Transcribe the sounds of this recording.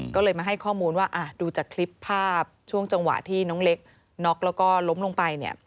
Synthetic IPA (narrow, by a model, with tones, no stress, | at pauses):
kɔː˥˩lɤː˧jmaː˧ɦa˥˩jkʰɔː˥˩muː˧nwaː˥˩ʔaː˧˩duː˧t͡ɕaː˨˩kʰli˦˥pʰːaː˥˩p̚t͡ɕʰu˥˩əŋt͡ɕa˧ŋwa̰˨˩ʔt̪ʰiː˥˩nɔː˦˥ŋle˦˥k̚ | nɔ˦˥k̚lɛː˦˥wkɔː˥˩lo˦˥mlo˧ŋpa˧jni˦˥˩ɐ